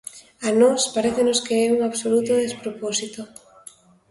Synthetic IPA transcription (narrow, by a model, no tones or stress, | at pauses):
anɔspaɾeθenoskeɛuŋaβsolut̪oðespɾoposit̪o